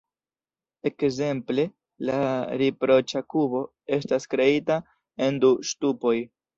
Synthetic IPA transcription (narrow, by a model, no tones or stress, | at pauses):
e̞kze̞mple̞ | laɾipɾo̞t͡ʃakubo̞ | e̞staskɾe̞ita | e̞nduʃtupo̞j